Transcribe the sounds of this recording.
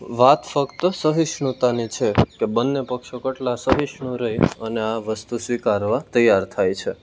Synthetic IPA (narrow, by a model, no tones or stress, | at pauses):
ʋat̪fəkt̪əsəɦiʃɳut̪anit͡ʃʰekebənːepəkʃokəʈlasəɦiʃɳũɾəɦiəneaʋəst̪usʋikaɾʋat̪əjːaɾt̪ʰajt͡ʃʰe